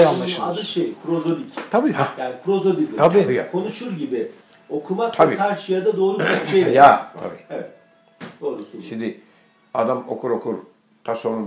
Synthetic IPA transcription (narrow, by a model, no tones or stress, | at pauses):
aad̪ɯʃejkʰɾo̞zo̞lict̪ʰabiajaːnikʰɾo̞zobilʲʰabikʰo̞nuʃuɾɟibɪ | o̞kʰumakt̪ʰabikʰaɾʃɯjad̪ad̪o̞ːɾubaejʲjat̪ʰa̰biːevɛt̪ | d̪̥o̞ːɾusuʃimd̪ɪ | ad̪amo̰kʰuɾokʰuɾ | t̪ʰasonu